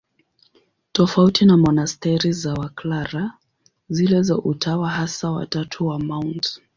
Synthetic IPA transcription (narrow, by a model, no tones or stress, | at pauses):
tɔfautinamɔnastɛɾizawaklaɾa | zilɛzaʔutʰawaɦasawa̰tatʰuwamawnt